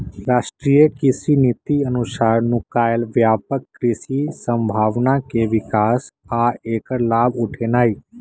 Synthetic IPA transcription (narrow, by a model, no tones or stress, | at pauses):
ɾaːʃʈɾijəkɪsinit̪iənʊsaːɾnukaːjəlʋjaːpəkːɾɪsisə̃mbʱaːʋnakeʋɪkaːsaeːkəɾlaːbʊʈʰenaːiː